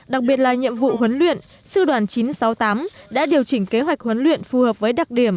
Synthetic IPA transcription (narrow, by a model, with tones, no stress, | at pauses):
ɗa˨˩k̚ɓi˨˩ət̚laː˨˩ɲḭ˧˨əmvṵ˧˨ɦwə˨˦nlwḭ˧˨ən | sɨ˧ɗwaː˨˩nt͡ɕi˨˦nsa˨˦wt̪aː˨˦mɗa̰ː˧˥ɗi˨˩əwt͡ɕï˧˩ŋ̟ke˨˦ɦwa˨˩jk̟̚hwə˨˦nlwḭ˧˨ənfu˨˩həː˨˩p̚vəː˨˦jɗa˨˩k̚ɗi˧˩əm